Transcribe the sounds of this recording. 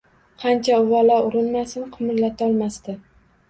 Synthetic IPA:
qʰɑnt͡ʃʰaʊvalɒʊɾɪnmasɪnqʰɨmɪɾlat̪ʰaɒlˠmast̪ɪ

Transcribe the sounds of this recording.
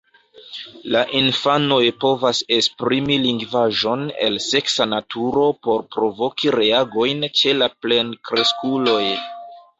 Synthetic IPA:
laʔinfano̞jpo̞vase̞spɾimiliŋɡvaʒo̞ne̞̰lse̞ksanatʰuɾo̞po̞ɾpɾo̞vo̞kiɾe̞aɡo̞jnt͡ʃe̞laple̞nkɾe̞skulo̞j

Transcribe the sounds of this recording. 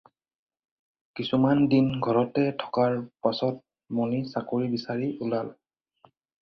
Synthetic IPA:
kisumandinɡʱɔɹɔtɛtʰɔ̥kaɹpasɔt̚ | mɔnisakoɹibisaɹiulal

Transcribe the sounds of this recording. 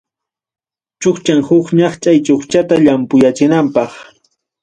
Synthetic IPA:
t͡ʃoχt͡ʃaŋhʊkɲɑχt͡ʃʼajt͡ʃoχt͡ʃat̪aʎampʊjat͡ʃɪnampɑχ

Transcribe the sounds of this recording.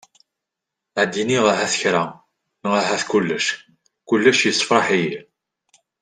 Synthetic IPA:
ʕəd̪ːiniʁaɦæθə̥çɾæ | nʁaɦæθkulːəʃ | kʊlːæʃjəsˤːfɾˤɑħiji

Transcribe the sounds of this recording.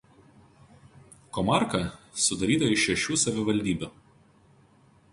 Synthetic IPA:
kɔmɑˑɾkɐsʊd̪ɐɾʲiːd̪ɐʋɪʃʲɛʃʲuːsɐʋʲɪʋɐlʲd̪ʲiːbʲuː

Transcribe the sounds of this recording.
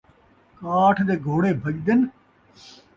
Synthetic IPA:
kaːʈʰd̪eːɡʱoːɽeːbʱəʄd̪ɪn

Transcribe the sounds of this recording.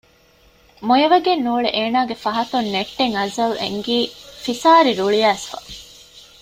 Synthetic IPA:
mojɐʋɐɡenːuːɭeʔeːnaːɡefɐɦɐt̪unneʈːeŋɐzɐlḛŋɡiːfisaːɾiɾuɭijæːsfɐ̰

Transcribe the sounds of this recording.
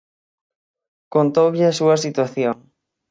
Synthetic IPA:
kont̪owʎɪasuɐsit̪waθjoŋ

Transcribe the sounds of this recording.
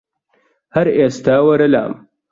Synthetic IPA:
hɐɾest̪aːwɐɾɐla̰ːm

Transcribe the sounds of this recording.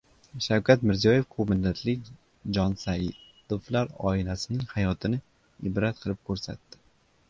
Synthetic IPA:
ʃawkʲʰat̪mɪɾzijɒje̞fkʰomɪnːat̪ʰlɪk̚ʲ | d͡ʒɒnsajɪd̪̥ʊflaɾɒ̰ɪlasɪnɪŋhajɒt̪ʰɪnɪ | ɪbɾat̪̚qʰɨlˠɪp̚kʲʰɵɾsa̰t̪ːɪ̥

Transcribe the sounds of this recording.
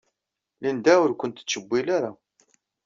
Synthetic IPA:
lind̪awʊɾkʷənt̪ə̥t͡sːəbːilaɾa

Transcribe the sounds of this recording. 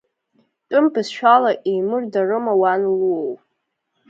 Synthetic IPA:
tʼʊmbɨzʃᶣalaʔejmɨrdarɨmawanluowʼ

